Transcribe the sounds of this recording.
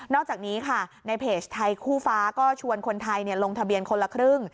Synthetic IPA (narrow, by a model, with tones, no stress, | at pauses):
nɔː˥˩k̚t͡ɕaː˨˩k̚niː˦˥kʰa˥˩na˧jpʰeː˨˩st̪ʰa˧jkʰuː˥˩faː˦˥kɔː˥˩t͡ɕʰu˧ənkʰo˧nt̪ʰa˧jni˥˩ɐlo˧ŋt̪ʰa˧bi˧ənkʰo˧nla˧kʰɾɯ˥˩ŋ